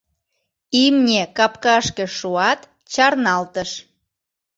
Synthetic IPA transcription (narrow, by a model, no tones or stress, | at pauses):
imnʲekɑpkɑʃkeʃuɑt̪ | t͡ɕɑrnɑlt̪əʃ